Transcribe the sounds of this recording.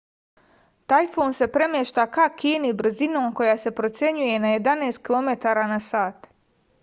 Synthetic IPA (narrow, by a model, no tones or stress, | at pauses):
t̪ajfoːnse̞pɾe̞mjeʃt̪akakiːnibr̩zino̞ːmko̞jase̞pɾo̞t̪sʲje̞ɲuje̞naje̞d̪aneːst̪̚kilˠo̞me̞t̪aːɾanasaːt̪